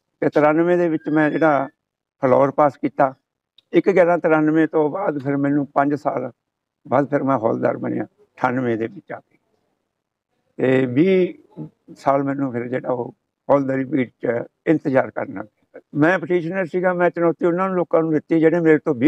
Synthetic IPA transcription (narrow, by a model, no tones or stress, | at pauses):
t̪eːt̪əɾaːnʋẽːd̪eːʋɪt͡ʃmɛ̃ːd͡ʒeːɽaː | pʰəlɔːɾpaːskiːt̪aː | ɪkɡɛːɾãːt̪əɾaːnʋẽːt̪õːbaːd̪pʰɪɾmɛːnũːpə̃ɲd͡ʒsa̰ːl | baːd̪pʰɪɾmɛ̃ːɦɔ̰ːld̪a̰ːɾbənɪ̰jã̰ː | ʈʰanʋẽːd̪eːbɪt͡ʃaːpeː | t̪eːbiː | saːlmɛ̃ːnũːpʰɪɾd͡ʒeːɽa̰ːoː | hɔːld̪aːɾiːbiːʈt͡ʃɪ̃nt̪əd͡ʒaːɾkə̰ɾna̰ːeːmɛ̃ːpəʈiːʃnəɾsiːɡaːmɛ̃ːt͡ʃənɔːt̪iːʊnːãːnũːloːkãːnũːd̪ɪt̪ːiːd͡ʒeːɽeːmeːɾt̪õːbiː